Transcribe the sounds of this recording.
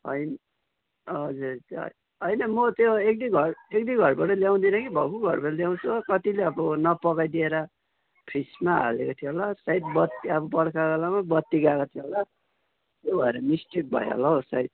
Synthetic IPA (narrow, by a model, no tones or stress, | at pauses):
ɦʌjn | ʌd͡zuɾ̰ | ɦʌjnʌmʌt̪joek̚d̪iɡʱʌrek̚d̪iɡʱʌrbaʈʌljaw̃d̪inʌkibʱʌkuɡʱʌrbaʈʌljaw̃t͡sʰukʌt̪ileʌbʌnʌpʌkajd̪ieɾʌ | pʰrismaɦa̰lekʌt̪ʰiɦolasaid̪̚bʌt̪ːiʌbʌbʌɽkaɡʌlamabʌt̪ːiɡakʌt̪ʰiɦola | t̪jobʱʌeɾʌmisʈik̚bʱʌ̰j̰ɦo̰laosait̪̚